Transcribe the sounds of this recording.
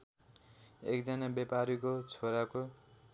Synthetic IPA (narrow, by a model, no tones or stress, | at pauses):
ḛkd͡zʌnabepaɾikot͡sʰoɾako